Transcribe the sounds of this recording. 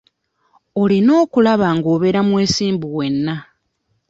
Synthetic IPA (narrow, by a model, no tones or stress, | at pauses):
o̞lino̞ːkulaβaŋɡo̞ːβe̞ɾamwe̞ːsiːmbuwe̞nːa